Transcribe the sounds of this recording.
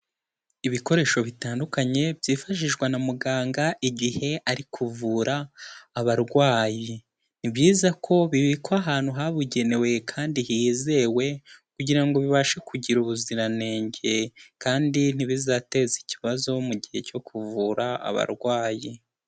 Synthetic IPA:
iβiko̞ɾe̞ːʃo̞βitaːndukaɲe̞bjiːfaʃiʒɡwanamuɡaːŋɡaʔiɟihe̞ʔaɾikʰuvuɾaːβaɾɡwaːji | n̥ibjiːzakʰo̞βiβikaɦaːn̥huɦaβuɟe̞ne̞we̞kʰaːndihize̞we̞kuɟiɾaŋɡo̞βiβaʃekuɟiɾuβuziɾane̞ːɲɟe̞kaːndin̥iβizate̞zici̥βazo̞muɟihe̞co̞kʰuvuːɾaa̰βa̰ɾɡwaːji

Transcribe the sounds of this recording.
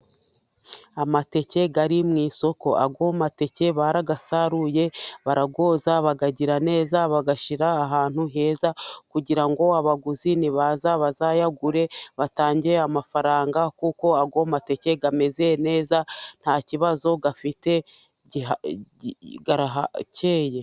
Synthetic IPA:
amate̞ce̞ɡaɾimŋiːso̞ko̞ʔa̰ɡomate̞ce̞βaɾaɡasaɾuje̞βaɾaɡo̞ːzaβaɡaɟiɾane̞ːzaβaɡaʃiɾaːɦaːn̥huɦe̞ːzakuɟiɾaŋɡo̞aβaɡuziniβazaβazajaɡuɾe̞βataːɲɟeamafaɾaːŋɡakuko̞aɡomate̞ce̞ɡame̞zejene̞ːzan̥haciβazo̞ɡafite̞ | ɟia | ɡaɾaɦacʰeːje̞

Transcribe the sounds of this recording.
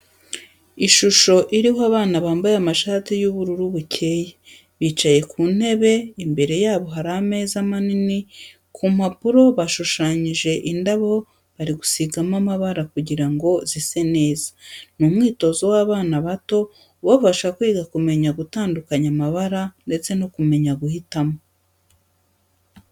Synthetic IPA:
iʃuʃo̞ʔiɾihoaβaːnaβaːmbajamaʃaːtijuβuɾuɾuβucʰe̞ːje | βiːt͡ʃaje̞kʰuːn̥he̞βe̞imbe̞ɾe̞jaːβo̞ɦaɾahame̞ːzamanini | kʰum̥apuɾo̞βaʃuʃaːɲiʒe̞ʔindaβo | βaɾiɡusiɡamamaβaɾakuɟiɾaŋɡo̞zise̞ne̞ːzḁnumŋiːto̞zowaːβaːnaβato̞ | βafaʃakwiːɡakume̞ɲaɡutaːndukaɲamaβaɾande̞t͡se̞no̞kume̞ɲaɡuhitamo̞

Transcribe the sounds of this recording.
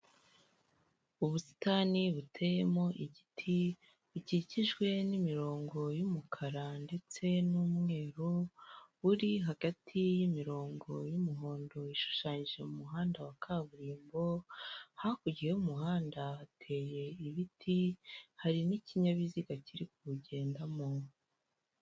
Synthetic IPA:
uβusi̥taːniβutʰe̞je̞mo̞ʔiɟitʰi | βiciciʒɡwe̞nimiɾo̞ːŋɡo̞jumukʰaɾande̞t͡se̞numŋe̞ːɾuβuɾiɦaɡ̥atʰijimiɾo̞ːŋɡo̞jumuɦo̞ːndo̞iʃu̥ʃaːɲiʒe̞mumuɦaːndawakʰaβuɾiːmbo̞hakuɟiheumuhaːndaːtʰe̞ːje̞iβitʰihaɾiniciɲaβiziɡaciɾikuβuɟe̞ːndamo̞

